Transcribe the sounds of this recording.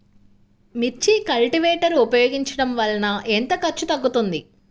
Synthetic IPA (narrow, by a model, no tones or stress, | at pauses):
mit͡ʃːikɐlʈiʋeːʈɐɾupɐjoːɡiɲt͡ʃɐɽɐmʋɐlːɐnɐʔent̪ɐkɐɾt͡ʃːut̪ɐɡːut̪und̪i